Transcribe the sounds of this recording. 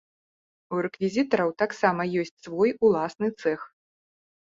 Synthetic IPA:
uɾɛkvʲizʲit̪ɐɾɐwt̪aksamɐjɔsʲt͡sʲsvɔjulˠasnɨt̪sɛx

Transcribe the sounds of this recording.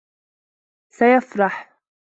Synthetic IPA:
sajafɾˤɑħ

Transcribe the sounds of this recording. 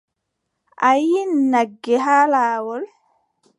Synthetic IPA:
ʔajinːaɡːɛɦaːlaːwɔl

